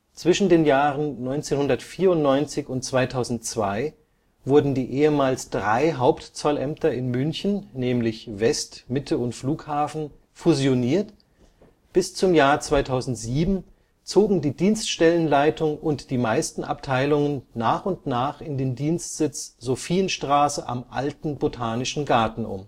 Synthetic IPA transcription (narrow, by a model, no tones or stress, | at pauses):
t͡sv̥ɪʃn̩deːnjaːʁənnɔʏnt͡seːnhʊndɐtfiːɐʊntnɔʏnt͡sɪçʊnt̚t͡sv̥aɪtʰaʊzn̩tt͡sv̥a̰ɪ | v̥ʊɐdn̩diːʔeːəmaːlsd̥ʁaɪɦaʊptt͡sɔlʔɛmtʰɐɪnmʏnçn̩ːɛːmlɪçvɛstmɪtʰəʊntfluːkhaːfn̩ | fuzjoniːɐt | b̥ɪst͡sʊmjaːɐt͡sv̥aɪtʰaʊzn̩tz̥iːbm̩ | t͡soːɡŋ̩diːdiːnstʃtɛlənlaɪtʰʊŋʔʊntd̥iːmaɪstn̩ʔa̰p̚tʰaɪlʊŋənːaːχʊntnaːχɪndeːndiːnstz̥ɪt͡sz̥ofiːənʃtʁ̥aːsəʔa̰mʔaltn̩botʰaːnɪʃn̩ɡaɐtn̩ʔʊ̰m